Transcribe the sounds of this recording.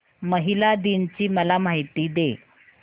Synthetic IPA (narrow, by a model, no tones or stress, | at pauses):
məɦilad̪int͡ɕiːməlamaɦit̪iːd̪e